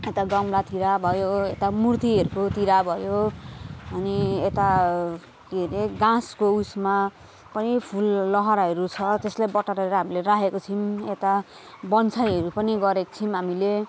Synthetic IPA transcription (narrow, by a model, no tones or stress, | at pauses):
et̪aɡʌmlat̪iɾabʱʌjoet̪amurt̪iɦʌɾukot̪iɾabʱʌjo | ʌniet̪a | keɾeɡãskousma | pʌnipʰulːʌɦʌɾaɦʌɾut͡sʰʌt̪eslajbʌʈːaɾʌeɾʌɦamileɾaɦekot͡sʰimet̪a | bʌnt͡sʰʌjɦʌɾupʌniɡʌɾeko̥t͡sʰimɦamile